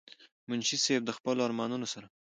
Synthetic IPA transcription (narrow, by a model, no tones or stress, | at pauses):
mʊnʃiseb̚d̪əxpəloaɾmɑnunosaɾa